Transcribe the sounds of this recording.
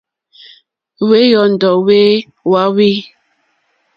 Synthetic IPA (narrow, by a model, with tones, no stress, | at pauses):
we˦jɔ˨n̩˨dɔ˨we˦ | wa˨˦wi˦